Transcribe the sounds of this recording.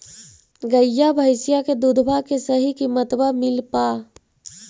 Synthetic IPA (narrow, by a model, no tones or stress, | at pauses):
ɡəjabʱəɪsijaked̪ud̪ʱbʱakesəɦikimət̪bamɪlpa